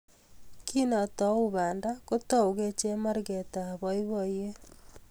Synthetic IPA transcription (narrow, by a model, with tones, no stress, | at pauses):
kʰi˦na˨tɔ˨uβaː˨ndako˦to˦u˨ɣe˦t͡ʃe˦ma˦ɾɣe˨ta˨βɔiβɔ˨je˦